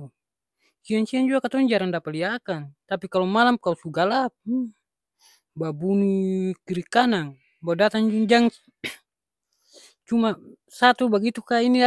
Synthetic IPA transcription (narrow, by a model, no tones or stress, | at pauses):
kiaŋsiand͡ʒuakat̪ɔɲd͡ʒaɾaŋdapaliakant̪apikalomalamkalusuɡalap̚ | babunukiɾikanaŋ | badat̪aŋd͡ʒuŋd͡ʒaŋ | t͡ʃuma | sat̪ubaɡit̪ukainia